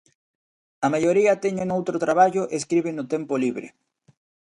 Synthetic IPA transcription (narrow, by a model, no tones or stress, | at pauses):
ɐmajoɾiɐt̪eɲenowt̪ɾot̪ɾaβ̞aʎʊʔeskɾiβɪnʊt̪empoliβɾɪ̰